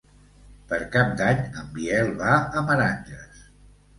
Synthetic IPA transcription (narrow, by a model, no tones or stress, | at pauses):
pəɾkap̚d̪aɲəmbiɛlˠβaəməɾanʲʒəs